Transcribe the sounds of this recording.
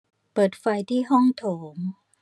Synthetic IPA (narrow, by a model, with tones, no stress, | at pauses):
pɤː˨˩t̪̚fa˧jt̪ʰiː˥˩ɦɔ˥˩ŋt̪ʰoː˩˦m